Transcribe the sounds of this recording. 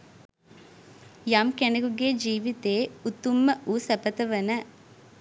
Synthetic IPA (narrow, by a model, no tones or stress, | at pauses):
jamkenɐɡuɡeːd͡ʒiːʋit̪eːut̪ːumːɐʔuːsɐpɐt̪ɐʋɐnɐ